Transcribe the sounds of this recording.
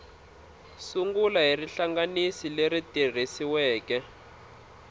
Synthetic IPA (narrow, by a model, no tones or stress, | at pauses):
suŋɡulaɦiriɬaŋɡanisileritir̤isiwɛːkɛ